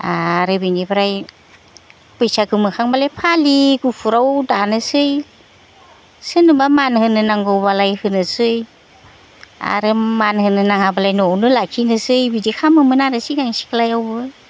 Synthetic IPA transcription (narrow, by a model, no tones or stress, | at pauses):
aɾɯbinibaɾaj | pɯjsaɡɯmɯkʰaŋbalejpʰaliɡupʰuɾawdanɯsɯj | sɯnɯbamanhɯnɯnaŋɡɔwbalajhɯnɯsɯj | a̰ɾɯmanhɯnɯnaŋabalajnɔwnɯlakʰinɯsɯjbidikʰamɯmɯnaɾɯsiɡaŋsi̥kʰalajawbɯ